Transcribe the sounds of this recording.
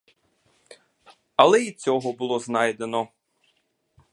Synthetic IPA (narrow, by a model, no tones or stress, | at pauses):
ɐlˠɛit͡sʲɔɦɔbʊlˠɔznɑjd̪e̞nɔ